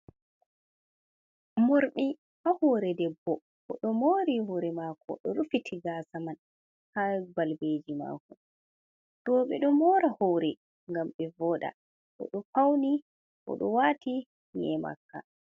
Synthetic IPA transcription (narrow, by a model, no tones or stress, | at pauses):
moɾɓi | ahɔːɾɛdɛbːɔ | ɔɗɔmoːɾihɔɾɛmakʰɔ̰ɗɔɾufitʰiɡaːsaman | habalbeːd͡ʒima̰kun | ɗɔɓɛɗɔmɔːɾahɔɾɛ | ŋɡamɓɛvɔːɗa̰ | ɗɔ̰ɗɔfawni | ʔɔ̰ɗɔwaːtʰi | nɛma̰kːa̰